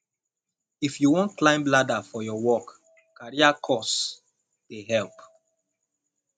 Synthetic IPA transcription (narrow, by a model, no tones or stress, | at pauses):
ifjuwɔ̃ntklãɪ̃mbladafɔjɔwɔk | kaɹiakʰɔs | weɦɛlp